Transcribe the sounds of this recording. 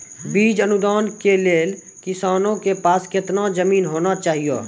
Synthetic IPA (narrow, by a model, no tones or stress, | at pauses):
biːd͡ʒənʊd̪aːnkeleːl | kɪsaːnõkepaːskɪt̪nazəmiːnɦoːnat͡ʃaːɦijo̰ː